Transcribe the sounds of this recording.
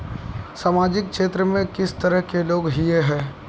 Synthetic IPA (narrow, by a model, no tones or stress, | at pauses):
saːmaːd͡ʒɪkkʃeːt̪ɾəmẽkɪst̪ɐɾəɦkeloːɡɦijeɦɛ̃ː